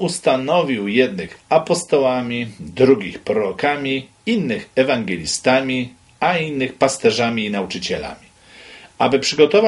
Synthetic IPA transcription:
ust̪anɔvʲiwjɛd̪̚nɘxapɔst̪ɔwamʲid̪ɾuɡʲixpɾɔɾɔkamʲi | inːɘxɛvaŋɡɛlʲist̪amʲi | ainːɘxpast̪ɛʐamʲiːnaut͡ʂɘt͡ɕɛla̰mʲi | abɘpʂɘɡɔt̪ɔva

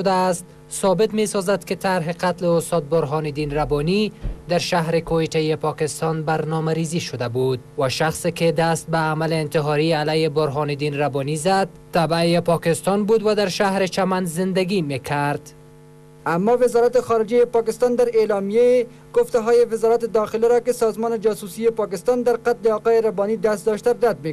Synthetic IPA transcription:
d̪aːst̪ | sɔbɪt̪mesɒzad̪kɪt̪aɾɦɪqat̪lɪʊst̪ɒːt̪̚bʊɾɦɒːnɪd̪iːnɾabɔnid̪aɾʃaɦɾɪkoet̪ajepɒkɪst̪ɒnbaɾnɒmaɾiziʃʊd̪abud̪̚waʃaxsekɪd̪ast̪̚baːmalɪːnt̪ɪɦɒɾialajebʊɾɦɒnɪd̪iːnɾabɔnizad̪̚t̪ːabjepɒkɪst̪ɒnbud̪wad̪aɾʃahɾet͡ʃamanzɪnd̪aɡimekʰaɾd̪̥ | amːɔvɪzɒɾat̪ɪxɒɾɪd͡ʒajepɒːkɪst̪ɑnd̪aɾelɒmijee | ɡ̥oft̪aɦɔjevɪzɒɾat̪ɪd̪ɒxɪlaɾɔkɪsɒzmɔned͡ʒɒsusijepɒːkɪst̪ɑnd̪aɾqat̪leɒːqɑːjeɾabɒnid̪ast̪d̪ɔʃt̪aɾad̪̚me

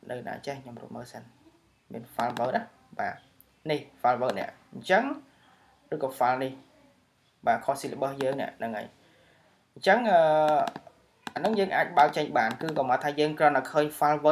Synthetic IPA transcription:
nɨwna̰ːt͡ɕehkʰɲomrṵəməːsən | mḭənfalʋəːt̚ʔah | ɓaː | nihfalʋəːt̪̚nɛ̰̆əʔɲt͡ɕəŋ | rɨːkɔːfalnih | ɓaːkʰohsiːləɓəhjəːŋnɛ̰̆əʔnɨŋʔə̰ːj | ɲt͡ɕəŋʔəː | ʔanɨŋjəːŋʔaːc̚ɓaək̚t͡ɕəɲɓaːnkɨːkɔmaːt̪ʰːaːjəːŋkrɔənt̪akʰəːɲfalʋəː

